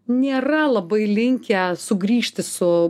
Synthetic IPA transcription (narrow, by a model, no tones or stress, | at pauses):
nʲeːrɐlˠɐbɐɪlʲɪŋʲkʲɛsʊɡɾʲiːʃʲt̪ʲɪsʊ